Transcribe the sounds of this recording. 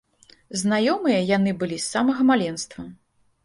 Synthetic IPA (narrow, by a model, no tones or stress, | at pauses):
znajɔmɨjɐjanɨbɨlʲisːamɐɣɐmalʲɛnst̪vɐ